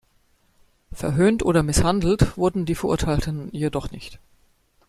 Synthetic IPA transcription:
fɛɐɦøːntʔoːɾɐmɪshandl̩tv̥ʊɐdn̩diːfɛɐʔʊ̰ɐtʰaɪltən̩jeːdɔχnɪçt

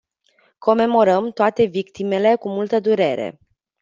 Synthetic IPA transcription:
ko̞me̞mo̞ɾəmt̪oat̪e̞vikt̪ime̞le̞kumult̪əd̪uɾe̞̰ɾe̞̰

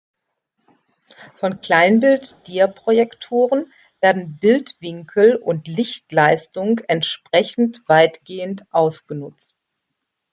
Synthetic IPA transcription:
fɔnkl̥aɪnbɪltd̥iːɐpʁ̥ojɛktʰoːʁən | v̥eːɐdn̩bɪltv̥ɪŋkʰl̩ʊntlɪçtlaɪstʊŋɛntʃpʁ̥ɛçn̩tv̥aɪtɡ̥eːəntʔaʊsɡ̥ənʊt͡st

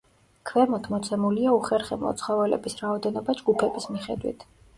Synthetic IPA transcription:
kʰvɛmɔt̪ʰmɔt̪sʰɛmuliauχɛɾχɛblˠɔ̰t̪sʰχɔvɛlɛ̰bisɾaɔd̪ɛnɔbad͡ʒɡupʰɛbismiχɛd̪wḭt̪ʰ

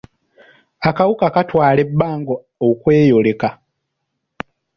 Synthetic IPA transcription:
akawukakatwaːle̞bːaːŋɡo | okwe̞ːjole̞ka

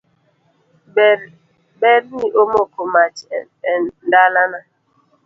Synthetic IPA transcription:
bɛɾniʔomokomat͡ʃ | ɛndalana

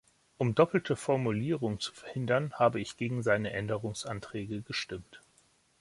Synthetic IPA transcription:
ʔʊmdɔpl̩tʰəfɔɐmuliːʁʊŋət͡su̥fɛɐhɪndɐnhaːbəɪçɡ̥eːɡŋ̩zaɪnəʔɛndəʁʊŋsʔantʁ̥ɛːɡəɡəʃtɪmt

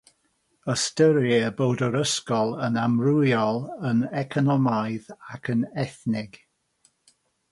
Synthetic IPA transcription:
əstəɾɛəbowdəɾəskɔlˠənamrʊjɔlˠənɛkʰɔnɔmajðakʰənɛθnɪɡ̥

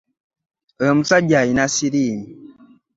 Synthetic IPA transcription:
əmusad͡ʒainasiɾimi

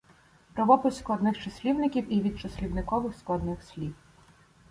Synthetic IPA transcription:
pɾɔʋɔpɪsʲklˠɔd̪nɪxt͡ʃɐsʲlʲiwnɪkʲiwiʋʲid̪̚t͡ʃɔsʲlʲiwnɪkɔʋɪxsklˠɐd̪nɪxsʲlʲiw

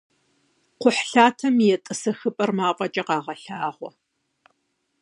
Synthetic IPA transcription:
qʷʊħɬaːtʰɐmjɛtʼɨsɐxɨpʼɐrmaːqʼɐt͡ʃʼɐqɑːʁɐɬaːʁʷɔ̰

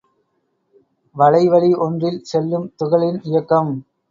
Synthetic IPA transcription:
ʋɐɻɐɪʋɐɭiʔɔndrɪlsɛlːɯmt̪ʊɣɐɭɪnɪjɐkːɐm

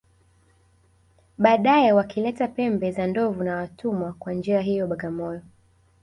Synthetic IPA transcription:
ɓaːɗajɛwakilɛtapɛmbɛzandɔvunawatumwakwand͡ʒiaɦijɔɓaɠamɔjɔ

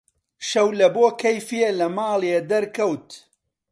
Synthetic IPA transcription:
ʃɐwlɐboːkʰɐjfielɐmaːlˠjed̪ɐɾkɐwt̪

